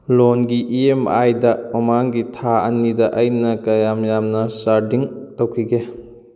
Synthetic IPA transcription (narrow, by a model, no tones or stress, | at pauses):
lonɡiʔiemajdɐmɐmaŋɡitʰaɐ̰nidɐʔɐjnɐkɐjamjamnɐsaɾdiŋtɐwkʰiɡe